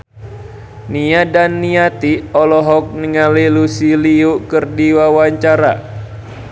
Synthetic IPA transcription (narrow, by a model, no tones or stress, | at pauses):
niadanːiat̪iɔlɔɦɔk̚niŋalilusiliukɨrdiwawaɲt͡ʃaɾa̰